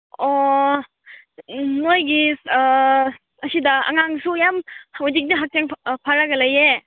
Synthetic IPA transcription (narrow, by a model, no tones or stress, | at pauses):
ɔ | nojɡi | ɐsidɐɐ̰ŋaŋsujamodik̚niɦak̚t͡ʃeŋpʰaɾɐɡɐlɐje